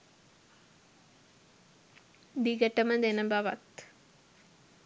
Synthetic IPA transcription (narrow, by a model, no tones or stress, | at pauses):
d̪iɡəʈəməd̪enəbaʋa̰t̪